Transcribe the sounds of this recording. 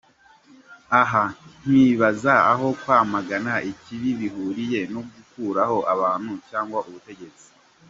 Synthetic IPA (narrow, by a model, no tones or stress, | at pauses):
aɦan̥wiβazaːɦo̞kwaːmaɡanaʔiciβiβiɦuɾije̞noɡukuːɾaho̞ʔaβaːn̥hucaːŋɡwaʔuβute̞ɟe̞t͡si̥